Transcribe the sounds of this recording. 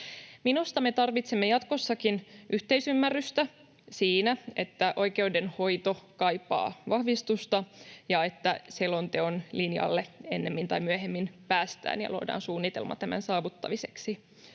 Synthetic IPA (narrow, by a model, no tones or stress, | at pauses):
minust̪ɑmet̪ɑrʋit̪semːejɑt̪ko̞sːɑkinʔyht̪eisymːærːyst̪æ | siːnæe̞t̪ːæʔo̞jke̞udenho̞jt̪o̞kɑjpːɑ̰ːʋɑhʋist̪ust̪ɑjɑe̞t̪ːæselo̞nt̪e̞onlinjɑ̰lːe̞e̞nːe̞mːint̪ɑjmyøɦe̞mːinpæːst̪æ̰ːnjɑ̰luo̰dɑ̰ːnsuːnːit̪e̞̰lmɑ̰t̪æmæ̰nsɑːʋut̪ːɑ̰ʋiseksi